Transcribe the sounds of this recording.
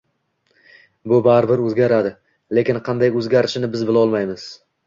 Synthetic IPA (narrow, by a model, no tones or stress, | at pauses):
bʊbaɾɪbɪɾɵzɡʲaɾad̪ɪ | le̞kʲɪnqʰɑnd̪ajɵzɡʲaɾɪʃɪnɪbɪzbɪlɒlˠmajmɪz̥